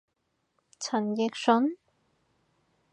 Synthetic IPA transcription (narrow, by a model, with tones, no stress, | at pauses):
t͡sʰɐ˨˩njɪ˨˧k̚sɵ˨˥n